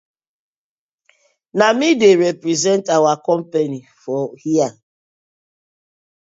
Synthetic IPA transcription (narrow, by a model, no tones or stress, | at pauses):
namideɾepɾizɛntawakɔm̩penifɔhia